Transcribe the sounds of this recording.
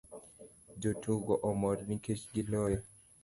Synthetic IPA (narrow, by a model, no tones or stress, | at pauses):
d͡ʒotuɡɔʔɔmɔɾniket͡ʃɡilɔjɔ